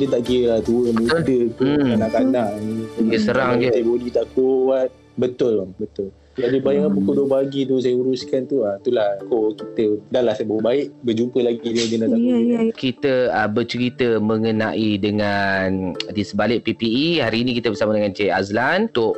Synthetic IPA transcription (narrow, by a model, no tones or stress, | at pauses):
dət̪aʔkiəlat̪uəmbʊldət̪uanãkanaʔnijəsəɾaŋd͡ʒəajəbodit̪aʔkuwat̪̚ | bət̪ʊlabət̪ʊl | d͡ʒabibaiŋapəkodobaɡit̪uns̬ajəuɾuskant̪uat̪ulahkokit̪ədalahsabawəbaɪʔbəd͡ʒupəlaɡiduɡəndat̪akit̪əəbət͡ʃəɾit̪əməŋəna̰ʔidəŋandisəbalɪʔ̚pipiihaɾiːnĩkit̪əbəsamadəŋant͡ʃeaslant̪ʊʔ